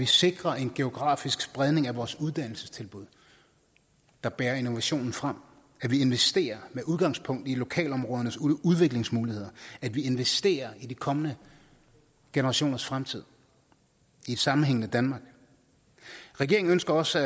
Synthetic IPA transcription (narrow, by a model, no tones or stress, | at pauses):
ʋise̝ɡ̥ʁɐʔe̝nɡ̥e̝o̝ɡ̥ʁɑ̰̈ːfisɡ̥sb̥ʁað̞ˠne̝ŋæʋɒːsuð̞ˠd̥æn̰l̩sə̥st͡sʰe̝lb̥uðˠ | d̥ɑ̈b̥ɛːɐe̝no̝ʋæɕo̝̰ːnn̩fʁɑm̰ | æʋie̝nʋesd̥e̝̰ːɐmeʔuð̞ˠɡ̥ɑ̈ŋspʰɔ̽ŋ̰d̥ilo̝kʰɛ̰ːlɒ̽mʁɔðˠɐnəsuð̞ˠʋe̝ɡ̥le̝ŋsmuːlihe̝ð̰ˠɐæd̥ʋie̝nʋesd̥e̝̰ːɐid̥ikʰɒ̽mənə | ɡ̥e̝nəʁɑ̈ɕo̝̰ːnɐsfʁamt͡sʰið̞̰ˠ | ied̥sɑ̈mn̩ɦeŋ̰nəd̥ænmɑ̈ːɡ̥ | ʁɛɡ̥e̝ɐŋ̩ønsɡ̥ɐɒ̽s